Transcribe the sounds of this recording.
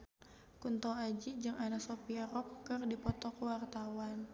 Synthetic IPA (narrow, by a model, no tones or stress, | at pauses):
kunt̪ɔad͡ʒid͡ʒɨŋanasɔpiaɾɔp̚kɨrdipɔt̪ɔkwart̪awan